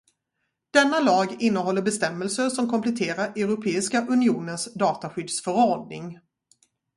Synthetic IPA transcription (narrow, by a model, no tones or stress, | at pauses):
d̪̥ɛnːalɑːɡɪnːəɦɔlːəɾbɛst̪ɛmːəlsəʂɔmkʰɔmpʰlɛt̪ʰeːɾaɾʔɛɾʊpʰeːɪskaʔɵnɪuːnənsd̪ɑːt̪aɧʏd̪sfœɾɔɖ̚nɪ̰ŋ